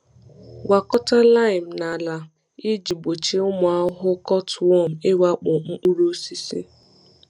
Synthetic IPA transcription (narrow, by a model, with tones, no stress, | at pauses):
wa˨kɔ˦ta˦la˦ɪ˨m̩˨na˨la˨ | ɪ˦d͡ʒi˨bo˨t͡ʃe˦ʊ˦mʊ˨a˦ɦʊ˦kɔ˦twɔ˦˨m̩˨ɪ˦wa˦k͡pʊ˨ŋ͡m̩˦k͡pu˦ɾu˦si˦sḭ˦